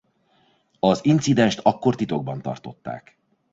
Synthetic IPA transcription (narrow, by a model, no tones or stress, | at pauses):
ɒzint̪sid̪ɛnʃt̪ʰɒkːo̞rt̪it̪o̞ɡ̚bɒnt̪ɒ̰rt̪o̞t̪ːa̰ːk